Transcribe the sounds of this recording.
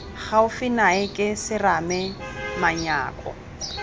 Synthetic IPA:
χaʊfɪnaɪkʼɪsɪramɛmaɲa̰ːkʼɔ̰

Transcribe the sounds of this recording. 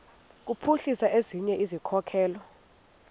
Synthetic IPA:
k̬upʰuɬisaʔeziɲɛʔizikʰɔkʰɛːlɔ

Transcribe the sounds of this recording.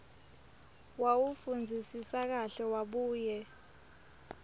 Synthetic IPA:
wawufund͡zʱisisak̬aɬɛwaɓuːjɛ

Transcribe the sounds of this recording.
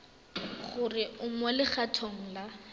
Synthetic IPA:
χʊrɪʊmwɛlɪχatʰoŋ̩la

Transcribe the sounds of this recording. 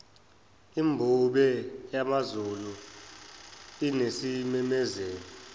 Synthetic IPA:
imbʱuɓɛjamazulu | inesimɛmɛzeːnɔ

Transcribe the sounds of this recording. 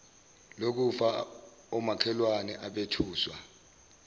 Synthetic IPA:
lok̬ufa | ɔmakʰɛlwanɛʔaɓetʰuːswa

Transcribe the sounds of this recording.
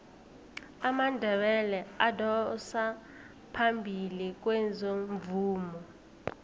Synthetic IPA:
amandʱɛɓɛlɛadɔsa | pʰambʱilik̬ʼwɛzoɱvuːmɔ

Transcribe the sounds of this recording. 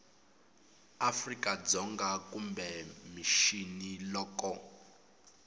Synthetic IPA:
afrikʼad͡zɔŋɡakumbɛmiʃinilɔːkɔ

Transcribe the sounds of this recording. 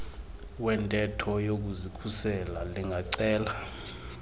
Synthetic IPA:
wɛntʼɛtʰɔjok̬uzikʰusɛlaliŋʱaǀɛːla

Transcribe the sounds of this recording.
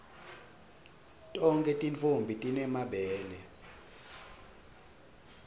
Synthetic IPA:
tʼɔŋkʼɛtʼint͡fombʱitʼinɛmaɓɛːnɛ

